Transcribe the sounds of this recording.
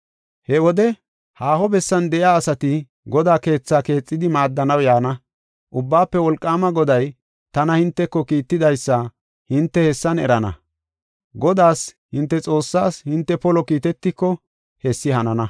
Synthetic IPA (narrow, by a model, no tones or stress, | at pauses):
hɛwɔd̪ɛ | haːhɔbɛsːɐnd̪ɛʔjaːsɐt̪ɪ | ɡɔd̪aːke̞ːt͡sːaːke̞ːt͡sʼːɪd̪ɪmaːd̪ːɐnɐwjaːnɐ | ʔʊbːaːpːɛwɔlkʼːaːmɐɡɔd̪ɐj | t̪ɐnɐhɪnt̪ːɛkːɔkiːt̪ːɪd̪ɐjsːɐ | hɪnt̪ːɛhɛsːɐnɛ̰ɾɐnɐ̰ | ɡɔd̪aːshɪnt̪ːɛt͡sʼo̞ːsːaːshɪnt̪ːɛpɔlɔkiːt̪ɛt̪ːɪkːɔ | hɛsːɪhɐnɐnɐ